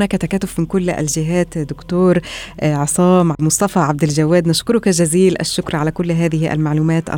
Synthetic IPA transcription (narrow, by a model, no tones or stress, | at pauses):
næːkæt̪ækæːt̪ʊfmɪnkʊlːʔæ̰ld͡ʒɪɦæːt̪d̪ʊkt̪oːɾʕɑsˤɑːmʕmʊsˤt̪ˤɑfɑʕab̚d̪ɪld͡ʒawːæːd̪naʃkʊɾʊkæʒæziːlʔæ̰ʃːʊkɾʕalækʊlːɦæːðɪhiʔæ̰lmaʕluːmæːt̪ʔæ̰